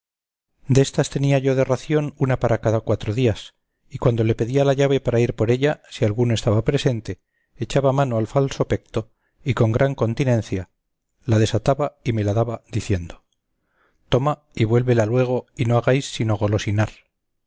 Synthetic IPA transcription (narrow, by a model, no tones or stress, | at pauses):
d̪e̞st̪ast̪e̞niaʝo̞ðe̞raθjo̞nunapaɾakaðakwat̪ɾo̞ðias | ikwand̪o̞le̞pe̞ðialaʎaβ̞e̞paɾaiɾpoɾe̞ʎasialɣunoest̪aβapɾe̞se̞nt̪e̞ː | t͡ʃaβamano̞alfalso̞pe̞kt̪o̞ | iko̞ŋɡɾaŋko̞nt̪inẽ̞nθja | lað̞e̞sat̪aβaime̞laðaβaðiθje̞nd̪o̞ | t̪oma | iβwe̞lβe̞lalwe̞ɣ̞o̞inoaɣajsːino̞ɣo̞lo̞sinaɾ